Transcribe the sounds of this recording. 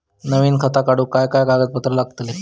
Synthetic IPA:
nəʋiːnkʰat̪akaɽuːkajkajkaɡət̪̚pət̪ɾəlaɡ̚t̪le

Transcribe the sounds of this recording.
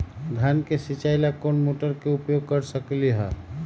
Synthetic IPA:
d̪ʱjankesit͡ʃajlakonmoʈəɾkeupjoɡ̚kəɾsəkliɦɛ

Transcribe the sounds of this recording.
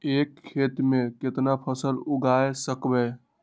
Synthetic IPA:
ekʰːet̪meket̪napʰəsəluɡaesəkbɛ

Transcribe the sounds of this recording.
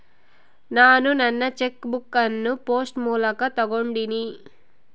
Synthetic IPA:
naːnunɐnːɐt͡ʃekbukːɐnːupoːsʈmuːlɐkɐt̪ɐɡoɳɖini

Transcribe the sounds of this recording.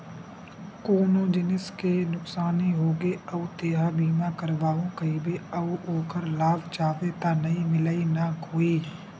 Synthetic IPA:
koːnõd͡ʒɪnɪskenʊksaːniɦoːɡeɐʊt̪eːɦabiːmakɐɾʋaːõkɐibeɐoːkəɾlaːbt͡ʃaːʋet̪anɐĩmɪlainakoːiː

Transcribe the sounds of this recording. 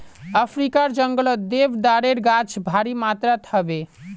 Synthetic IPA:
əpʰɾikaɾd͡ʒəŋɡələd̪ebd̪aɾeɾɡat͡ʃʰbʱaɾimat̪ɾat̪ʰəbe

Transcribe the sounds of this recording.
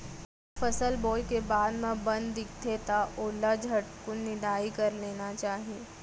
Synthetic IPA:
fɐsəlboːjkebaːd̪mẽbɐ̃nd̪ːɪk̚ʰt̪ʰet̪aʔoːlːad͡ʒʱɐʈkʊnːɪd̪aːikɐɾleːnat͡ʃaːɦieː

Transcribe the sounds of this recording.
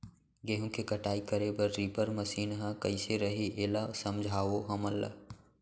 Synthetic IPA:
ɡeːɦõkekəʈaːikəɾebəɾːiːpəɾməsiːnɦãkɐiseɾɐɦiʔeːlasəmd͡ʒʱaːʋoɦɐməlːa̰

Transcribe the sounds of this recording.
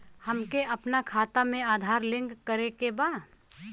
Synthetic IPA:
həmkeʔɐpnakʰaːt̪amẽaːd̪ʱaːɾlɪ̃ŋɡkəɾekeba

